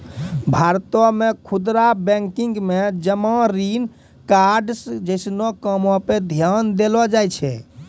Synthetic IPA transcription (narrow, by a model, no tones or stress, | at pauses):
bʱaɾt̪ɔmekʰud̪ɾabɛ̃ŋkiŋɡmed͡ʒəmãɾin | kaɾɖsd͡ʒəɪsnɔkəmɔped̪ʱjand̪elɔd͡ʒajt͡ʃʰɛ